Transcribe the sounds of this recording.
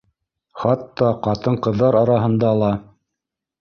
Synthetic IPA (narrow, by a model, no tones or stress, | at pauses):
χɑt̪ːɑqɑt̪ɤɴqɤ̆ðːɑɾɑɾɑɦɤ̆nd̪ɑːlˠɑ